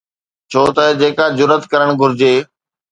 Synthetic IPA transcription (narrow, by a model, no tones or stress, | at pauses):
t͡ɕʰoːt̪ɐd͡ʑeːkad͡ʑʊɾət̪kɐɾəɽ̃ɡʱʊɾɪd͡ʑeː